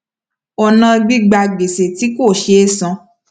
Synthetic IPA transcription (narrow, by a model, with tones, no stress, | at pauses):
ɔ˧nã˧˦ɡ͡bi˦ɡ͡ba˧ɡ͡be˨se˨ti˨˦ko˦˨ʃe˨˦sã˧